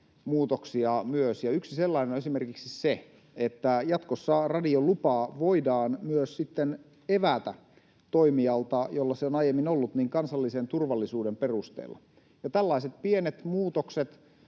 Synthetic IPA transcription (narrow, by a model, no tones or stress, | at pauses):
muːt̪oksiɑmyøsjɑyksiselːɑinenoesimerkiksise | et̪ːæjɑt̪kosːɑrɑdiolupɑːʋoidɑːnmyøssit̪ːen | eʋæt̪æ | t̪oimiɑlt̪ɑjolːɑseonɑjemːinolːut̪niːŋkɑnsɑlːisent̪urʋɑlːisuːdemperust̪ḛːlːɑ̰ | jɑt̪ælːɑiset̪̚pienet̪muːt̪okset̪